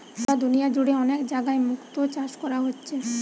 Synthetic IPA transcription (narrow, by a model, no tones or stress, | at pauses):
t̪ad̪unijad͡ʑuɽeɔnekd͡ʑaɡaemukt̪ot͡ɕaʃkɔɾaɦotːɕʰe